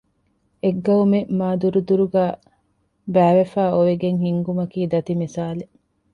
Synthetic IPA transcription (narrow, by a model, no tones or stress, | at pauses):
eɡːɐumemaːd̪uɾud̪uɾuɡæː | bæːʋefæːoʋeɡeŋhiŋɡumɐkiːd̪ɐt̪imisaːle